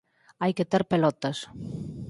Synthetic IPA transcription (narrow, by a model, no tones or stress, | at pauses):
ajket̪eɾpelɔt̪ɐs